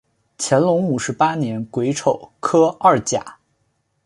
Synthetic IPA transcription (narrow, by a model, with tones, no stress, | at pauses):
t͡ɕʰjɛ˧˥nlʊ˧˥ŋu˨˩ʂɻ̩˧˥pa˥njɛ˧˥nkwe˧˥ɪʈ͡ʂʰo˨˩ʊkʰɤ˥ɐ˥˩t͡ɕja̰˨˩˦